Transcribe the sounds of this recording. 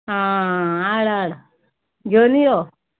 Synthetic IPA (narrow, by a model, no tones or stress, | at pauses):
ɦaaɽaɽ | ɡenijo